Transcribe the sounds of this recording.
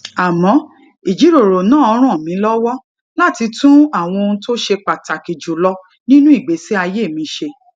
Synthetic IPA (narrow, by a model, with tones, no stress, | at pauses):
a˨mɔ̃˨˦ | i˨d͡ʒi˨˦ɾo˨ɾo˨nãː˦˨ɔ˧ɾ̃ã˦˨mĩ˨˦lɔ˦wɔ˦ | la˦˨ti˧tũ˦a˦˨w̃ɔ̃˧o˧nũ˧˦to˦ʃe˧k͡pa˨ta˨ki˨d͡ʒu˨lɔ˧ | nĩ˦nũ˦i˦˨ɡ͡be˨˦si˦a˧je˦˨mĩ˨˦ʃe˧